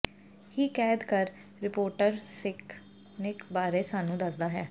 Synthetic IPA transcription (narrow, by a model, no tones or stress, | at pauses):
hiːkɛːd̪kəɾ | ɾɪpoːɾʈəɾsɪk | neɪkbaːɾeːsaːnũːd̪əsd̪aːɦɛː